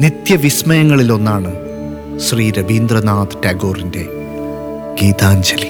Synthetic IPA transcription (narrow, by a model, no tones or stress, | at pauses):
nit̪jɐʋismɐjɐŋːɐɭilo̞nːaːɳɨ | ɕriːɾɐbʱiːnd̪rɐnaːt̪ɨtaːɡo̞ːrinde̞ | ɡ̥iːt̪aːɲd͡ʑɐli